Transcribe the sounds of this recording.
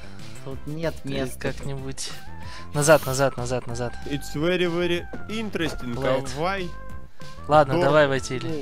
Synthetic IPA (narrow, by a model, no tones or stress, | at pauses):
t̪ut̪nʲet̪nʲekaknʲɪbutʲ | nɐzat̪nɐzat̪nɐzat̪nɐzat̪ɪt̪svɛɾʲɪvɛɾʲɪint̪ɾəsʲtʲɪnlˠat̪vaj | lˠad̪nəd̪ɐvajvɐjtʲilʲɪ